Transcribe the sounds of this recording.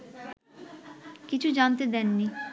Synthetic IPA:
kit͡ɕʰud͡ʑant̪̬ed̪ɛnːi

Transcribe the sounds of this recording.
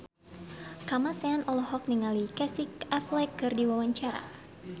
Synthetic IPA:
kamasɛanɔlɔhɔk̚niŋalikɛsikɛflɛkːɨrdiwawaɲt͡ʃaɾa̰

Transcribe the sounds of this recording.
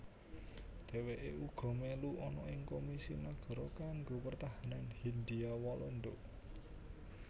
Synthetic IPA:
d̪̥e̤weʔeuɡ̥ɔ̤meluɔnɔʔɪŋkomisinaɡ̥ɔ̤ɾɔkaŋɡopərt̪aɦananhind̪iawalɔnd̪oʔ

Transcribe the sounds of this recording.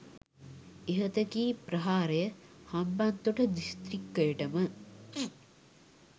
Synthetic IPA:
eɦɐt̪ɐkiːpɾɐɦaːɾejəhɐmbant̪uʈɐd̪ist̪ɾikːəjeʈɐmə

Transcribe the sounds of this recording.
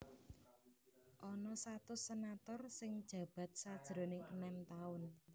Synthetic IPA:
ʔɔnɔsat̪ʊsenat̪ɔrsɪŋd̥ʒ̥ä̤b̥ä̤t̪̚sad̥ʒ̥ɾo̤nɪŋə̰nɛmt̪aʊn

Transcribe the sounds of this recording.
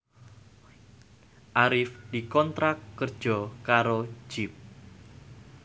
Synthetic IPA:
ʔaɾɪfd̥ikɔnt̪ɾakːərd̥d͡ʒ̥ɔkaɾo̥d͡ʒ̥ɪp̚

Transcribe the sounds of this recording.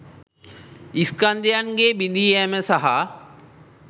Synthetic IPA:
iskand̪ejanɡeːbind̪iːæməsaɦa

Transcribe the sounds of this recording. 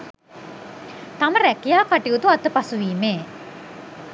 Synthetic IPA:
t̪aməɾækijaːkaʈiut̪uat̪əpasuʋiːmeː

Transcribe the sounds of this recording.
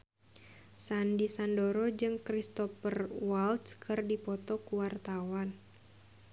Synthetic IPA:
sandisandoɾɔd͡ʒɨŋkɾist̪ɔpərwalt̪skʰɨrdipɔt̪ɔkuwart̪awan

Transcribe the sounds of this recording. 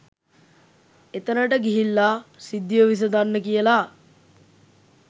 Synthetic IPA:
et̪ənəʈəɡiɦilːaːsid̪ːiʋəʋis̬əd̪anːəkijəlaː

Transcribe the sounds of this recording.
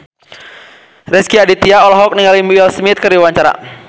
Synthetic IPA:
rɛskiadit̪iaɔlɔɦɔk̚niŋalimuɛlsmit̪̚kərdiwaɲt͡ʃaɾa̰

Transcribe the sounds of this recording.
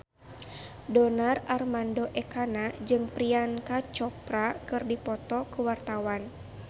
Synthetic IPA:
dɔnararmandɔʔɛkanad͡ʒɨŋpɾiankat͡ʃɔpɾakɨrdipɔt̪ɔkuwart̪awan

